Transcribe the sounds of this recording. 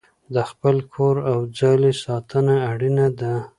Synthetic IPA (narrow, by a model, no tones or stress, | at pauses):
d̪əxpəlkʰoɾawd͡zɑlesɑt̪ənaːɽinad̪a